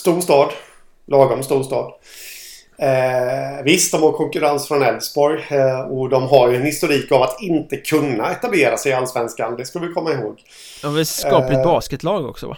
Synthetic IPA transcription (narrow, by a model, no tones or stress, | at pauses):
st̪uːʂt̪ɑːd̪ | lʔɑːɡɔmst̪uːʂt̪ɑːd̪ | vɪst̪̚d̪ɔmhaɾkʰɔŋkɵɾansfɾɔnɛlsbɔɾjɔd̪ɔmɦaɾjɵɛnhɪst̪ʊɾiːkavat̪ɪnt̪əkʰɵnːaɛt̪ableːɾasɛɪalːsvɛnskand̪ɛskalvɪjkʰɔmːaɪɦoːɡ | vɪskɑːlɪbɑːskət̪ʰlɑːɡɔ̰ksɔva̰